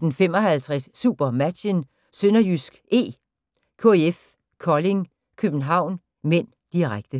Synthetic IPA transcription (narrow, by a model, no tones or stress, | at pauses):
d̥en̩femɒ̽hælt͡sʰʁɛsːṵb̥ɐmæ̥ɕən | sønɐjysɡ̥ʔe̝̰ː | kʰo̝̰eef | kʰɒ̽le̝ŋ | kʰøb̥n̩ɦɑ̈ʊ̰n | men̰ | d̥iʁaɡ̥̚d̥ə